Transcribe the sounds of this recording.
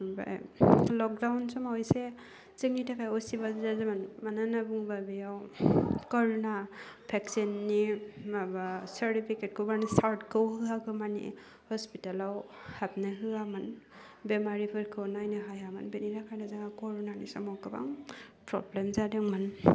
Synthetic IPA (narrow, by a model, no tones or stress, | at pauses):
ba̰jlɔk̚dawnsɔmaɔjse | zɯŋitʰakʰajɔsibazazɯmanmananabuŋbabijawkɔɹɔna | pʰɛksinːiabasaɾtipʰiket̚kʰɯmanisaɾtkʰɯwhɯakʰɯmanḭ | hɔspitalaw | hap̚nɯɦɯamanbɛmaɾipʰɯɾkʰɯwnajnɯɦajamanbeniɾakʰajnazaŋakɔɾɔnanisɔmɔkɯba̰ŋpɾɔ̰blemzadɯŋman